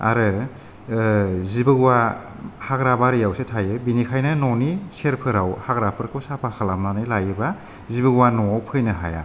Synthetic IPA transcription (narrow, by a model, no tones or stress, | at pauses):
a̰ɾɯ | zibɯɡwa | haɡɾabaɾijawsetʰajɯbinikʰajnanɔniseɾpʰɯɾawhaɡɾapʰɯɾkʰɯwsapʰakʰalamnanajlajɯba | zibɯɡwanɔawpʰɯjnɯɦaja̰